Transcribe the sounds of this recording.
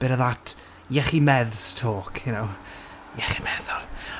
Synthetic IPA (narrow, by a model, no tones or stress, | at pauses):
b̥ɪɾəðatʰ | jɛχimɛðstʰoːkʰjʊnow | jɛχimɛðɔlˠ